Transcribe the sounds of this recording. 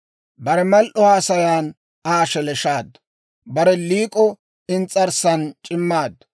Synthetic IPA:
bɐɾɛmɐlʔɔhaːsɐjaːn | aːʃɛlɛʃaːd̪ɐ | bɐɾɛliːkʼɔ | ɪnt͡sʼːɐɾsɐnt͡ʃʼɪmːaːd̪

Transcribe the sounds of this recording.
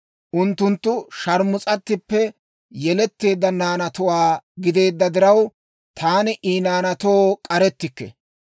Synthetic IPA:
ʔʊnt̪ːʊnt̪ːʊʃɐɾmʊt͡sʼɐt̪ːɪpːɛ | jɛlɛt̪ːe̞ːd̪ːɐnaːnɐt̪ʊwaːɡɪd̪e̞ːd̪ːɐd̪ɪɾɐw | t̪ʰaːnɪʔiːnaːnɐt̪oːkʼɐɾɛt̪ːɪkːɛ̰

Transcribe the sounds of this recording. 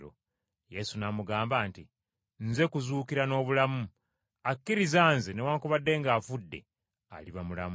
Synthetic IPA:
ɾo̰ | je̞sunamuɡaːmbaːnti | nze̞kuzuːkiɾano̞ːβulamu | akːiɾizaːnzenewaːŋkuβadːe̞ŋɡaːfudːe̞̰ | a̰liβamula̰m

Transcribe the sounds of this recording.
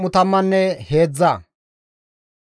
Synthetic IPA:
mʊt̪ɐmːɐnːɛhe̞ːd͡zːa

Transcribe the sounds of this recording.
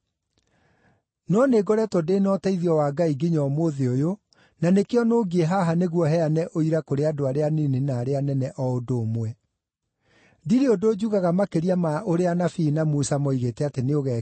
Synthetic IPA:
nɔneɡɔɾɛtwɔdenɔtaiðiɔwaːɡaiɡiɲɔmoðeojo | nanekeɔnoːɡieɦaɦaneɣwɔɦɛanɛʔoiɾakoɾeadoaɾeaninenaːɾeanɛnɛʔɔodoːmwɛ | diɾeodoːd͡ʑuɣaɣamakeɾiamaoɾeanafinamusamɔiɣetɛateneoɣɛ

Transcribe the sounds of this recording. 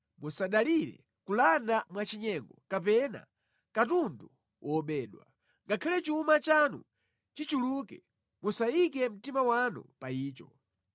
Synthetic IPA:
musaɗaliɾɛ̰ | kulandamwat͡ʃiɲɛŋɡɔkap̬ɛna̰ | katundu | wʔɔɓɛːɗwa | ŋɡakʰalɛt͡ʃumat͡ʃanṵ | t͡ʃit͡ʃulukɛ | musaikɛm̩timawanṵpaiːt͡ʃɔ

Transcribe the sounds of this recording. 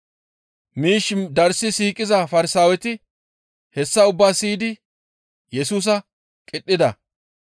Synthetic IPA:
miːʃd̪ɐɾsɪsiːkʼɪzɐfɐɾɪsaːwɛt̪ɪ | hɛsːɐʊbːaːsiːd̪ɪ | jɛsuːs̬ɐ | kʼɪɗːɪd̪ɐ

